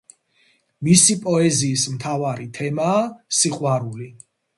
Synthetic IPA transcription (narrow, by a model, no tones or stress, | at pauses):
misipʼɔɛziːsmt̪ʰavaɾit̪ʰɛmaːsiqʼwaɾuli